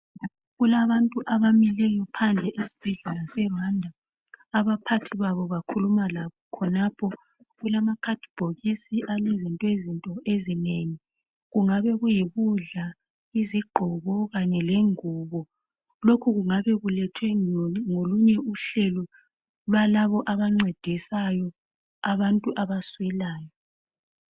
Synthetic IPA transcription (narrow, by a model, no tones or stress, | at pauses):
ɣulaβantʼuʔaβamilɛjɔpʰand͡ɮʱɛʔesi̥b̥ʱɛɮɛlasɛβandʱaː | βapʰatʰiβaβɔβakʰulumalaβɔkʰɔnapʰɔ | ɣulamakʰatʰʼb̥ʱoɣisiʔalezintʼɔezintʼɔʔezineŋi | ɣuŋaβɛɣujiβuɮa | iziɡ͡ǃʱɔβɔɣaɲɛleŋuːβɔ | lokʰuɣuŋaβɛɣulɛtʰwɛŋoluɲɛuɬɛlɔ | lalaβɔʔaβaŋ͡ǀed̥ʱisajɔ | aβantʼuʔaβaswɛlaːjɔ